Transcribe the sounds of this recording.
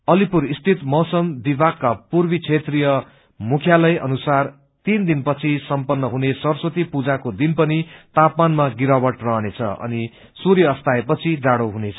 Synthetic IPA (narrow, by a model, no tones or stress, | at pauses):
ʌlipuɾist̪ʰit̪mʌwsʌmd̪ibakːapurbit͡sʰet̪rijʌ | mukʰjalʌjʔʌ̰nusar | t̪ind̪inpʌt͡sʰisʌmpʌnːʌɦunesʌrsot̪ipud͡zakod̪inpʌnit̪apmanmaɡiɾabʌʈrʌɦʌnet͡sʰʌ̰ʌ̰ni | suɾjʌːst̪aepʌt͡sʰid͡zaɽowɦunet͡sʰʌ̥